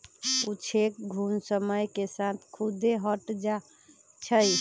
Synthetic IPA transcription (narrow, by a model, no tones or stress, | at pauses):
ut͡ʃʰek̚ɡʱunsəməjkesat̪ʰkʰud̪eɦəʈd͡ʒa | t͡ʃʰəj